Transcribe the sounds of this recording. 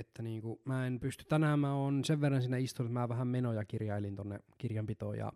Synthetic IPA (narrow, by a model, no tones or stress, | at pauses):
et̪ːæniːŋkumæːenpyst̪ytt̪ænæːmmæoːnseʋʋerːɑnsiːnːæist̪unut̪mæːʋæhæmmenojɑkirjɑelint̪onːḛkirjɑmpit̪o̰jɑ̰